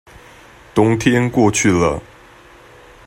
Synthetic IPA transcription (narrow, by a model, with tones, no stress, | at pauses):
t̪ʊ˥˦ŋt̪ʰjɛ˦nkwɔ˥˧t͡ɕʰy˥˩lə̰˨˩